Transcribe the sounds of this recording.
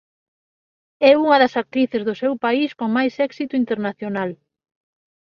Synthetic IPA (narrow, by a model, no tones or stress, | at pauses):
ɛuŋɐðɐsak̚t̪ɾiθezðʊsewpaiskoŋmajsɛksit̪ʊint̪eɾnaθjonal